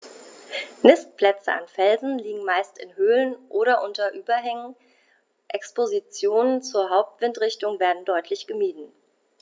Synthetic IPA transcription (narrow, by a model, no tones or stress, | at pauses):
nɪst̚pl̥ɛt͡sə̰ʔa̰nfɛlzn̩liːɡŋ̩maɪstɪnhøːlənʔoːɾɐʔʊntɐʔyːbɐɦɛŋən | ʔɛkspozit͡sjoːnənt͡suːɐɦaʊp̚tv̥ɪntʁ̥ɪçtʊŋveːɐdn̩dɔʏtʰlɪçɡ̥əmiːdn̩